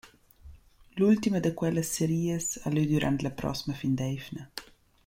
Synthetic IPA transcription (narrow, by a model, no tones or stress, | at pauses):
lult̪iməd̪əkwɛləsːeɾiːəsa̰lyd̪uɾʔa̰nt̪lapɾɔ̰siməfind̪ɛjfnə